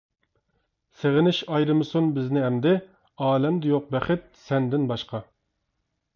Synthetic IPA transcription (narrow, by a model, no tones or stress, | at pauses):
seʁɪnɪʃɑjɾɨmɨsunbɪznɪɦɛmd̪ɪ | ɑːlɛmd̪ɪjoq̚bɛχɪt̪̚sɛnd̪ɪnbɑʃqɑ